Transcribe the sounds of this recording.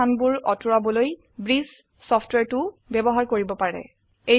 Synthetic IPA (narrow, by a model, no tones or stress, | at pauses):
anbuɹɔtuɹabɔloj | bɹis | sɔpʰtwɛɹtʊbɛbɔɦaɹkoɹibɔpaɹɛ̰ | e